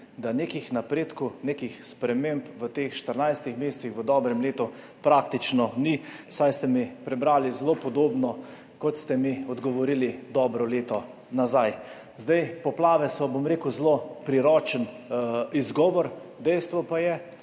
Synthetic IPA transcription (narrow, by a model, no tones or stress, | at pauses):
d̪anekixnapɾeːt̪kunekixspɾɛmempʋət̪eːxʃt̪əɾnajst̪ixmeːsɛ̥t̪sixʋəd̪ɔːbɾɛmleːt̪u | pɾakt̪it͡ʃnɔnisajst̪ɛmipɾɛbɾaːlizlopɔd̪oːbnɔ | kɔt̪st̪ɛmiɔd̪ɡɔʋɔɾilid̪ɔːbɾɔleːt̪ɔ | nazaj | zd̪ajpɔplaːʋɛsɔbomɾeːkuzlopɾiɾɔt͡ʃən | izɡɔːʋɔɾ | d̪ɛjst̪ʋɔpajɛ